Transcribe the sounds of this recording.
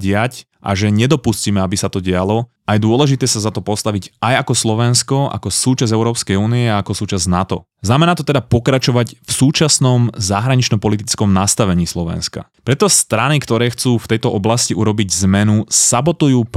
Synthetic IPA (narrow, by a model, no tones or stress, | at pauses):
ɟɪac | ʔa̰ʒɛɲɛd̪ɔpusciːmɛabisat̪ɔɟɛalɔ | ajɛd̪ʊɔlɛʒit̪ɛːsazat̪ɔpɔst̪aʋiɟʔajakɔslɔʋɛnskɔa̰kɔsuːt͡ʃazɛʊɾɔːpskɛjuːniɛaakɔsuːt͡ʃaznat̪ɔ̰ | znamɛnaːt̪ɔt̪ɛd̪apɔkɾat͡ʃɔʋacfsuːt͡ʃasnɔmzaɦɾaɲit͡ʃnɔpɔlit̪̬it͡skɔmnast̪aʋɛɲiːslɔʋɛ̰nska̰ | pɾɛt̪ɔst̪ɾanikt̪ɔɾɛːxt͡suːft̪ɛjt̪ɔʔɔblasciʔuɾɔbiɟzmɛnusabɔt̪ujuːp